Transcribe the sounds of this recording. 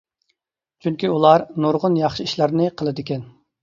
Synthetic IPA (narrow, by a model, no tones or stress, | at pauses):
t͡ʃʰyŋkʲiulˠɑɾnoɾʁʊnjɑχʃɨiʃlæɾnɨqʰəlˠɨd̪ɪkʲɛn